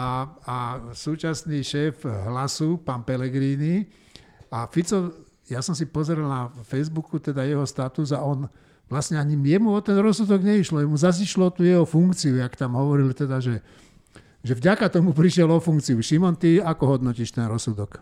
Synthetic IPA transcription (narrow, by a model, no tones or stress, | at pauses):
aasuːt͡ʃasniːʃɛːfɦlasupaːnpɛlɛɡɾiːni | afit͡sɔ | jasɔms̬ipɔzɛɾɛlnafɛjzbukut̪ɛd̪ajɛɦɔst̪at̪uzaɔn | ʋlasɲɛaɲimjɛmuɔt̪ɛnɾɔsud̪ɔɡɲɛiʃlɔjɛmuzaziʃlɔt̪uːjɛɦɔfuŋkt͡siujakt̪amɦɔʋɔɾilt̪ɛd̪aʒɛ | ʒɛvɟakat̪ɔmupɾiʃjɛlɔfuŋkt͡siuʃimɔnt̪iakɔɦɔd̪nɔciʃt̪ɛnɾɔsud̪ɔk